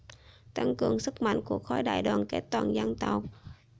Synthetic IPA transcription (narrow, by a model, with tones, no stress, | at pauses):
t̪a˧ŋkɨ˨˧˩əŋsɨ˦˥k̚ma̰˧˨jŋ̟ku˧˩ək̚xɔ˧˦jɗa̰ː˧˨jɗaː˨˩nke˦˥t̚t̪waː˧˩nza˧ŋt̪a˨˩w̚